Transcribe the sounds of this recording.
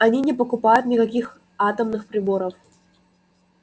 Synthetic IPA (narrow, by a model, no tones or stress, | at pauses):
ɐnʲinʲɪpəkʊpajʊt̪nʲɪkɐkʲix | at̪əmnɨxpɾʲɪbo̞ɾəf